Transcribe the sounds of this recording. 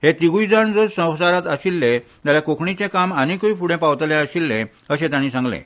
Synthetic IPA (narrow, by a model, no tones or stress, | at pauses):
het̪iɡujd͡zaɳd͡zoɾsə̃w̃saɾat̪əɕilːet̪jaljakokʰɳit͡ɕẽkamañikuifuɽẽpaʋt̪lẽəɕilːẽ | əɕẽt̪jãñiːsãŋɡlḛ̃